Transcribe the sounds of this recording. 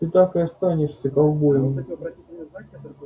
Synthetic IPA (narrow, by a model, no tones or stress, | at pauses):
ɨt̪akɨɐst̪anʲɪʂsʲɐkɐlˠbojəm